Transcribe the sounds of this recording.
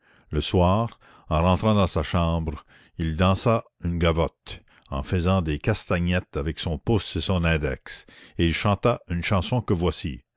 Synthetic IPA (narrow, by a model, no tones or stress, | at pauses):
ləswaːʁ | ɑ̃ʁɑ̃t̪ɾɑ̃d̪ɑ̃saʃɑ̃bʁ | ild̪ɑ̃sa | ynɡavɔt̪ | ɑ̰̃fəzɑ̃d̪ekast̪aɲɛt̪avɛksɔ̃pʊsesɔ̃nɛ̃ːd̪ɛ̰kseilʃɑ̃t̪aynʃɑ̃sɔ̃kəvwasi